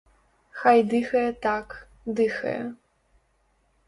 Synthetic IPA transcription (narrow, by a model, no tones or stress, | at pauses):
xajdɨxɐtʰakʰ | dɨxɐ̰j